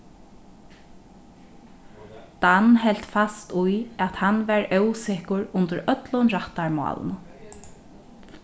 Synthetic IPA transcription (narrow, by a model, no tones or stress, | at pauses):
d̪̥anɦɛl̥t̪fast̪ujæt̪hanʋæɹœwsɪhkʊɹʊnt̪əɾœt̪lʊnɾaht̪aɹmɔ̰ːl̰nə